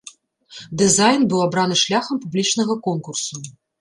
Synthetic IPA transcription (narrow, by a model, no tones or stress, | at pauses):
d̪ɨzajnbɨwabɾanɨʂlʲaxɐmpublʲit͡ʂnɐɣɐkɔnkursu